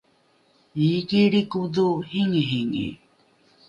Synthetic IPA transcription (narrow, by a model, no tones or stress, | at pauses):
ikiɾikud̪uhiŋiɦiŋḭ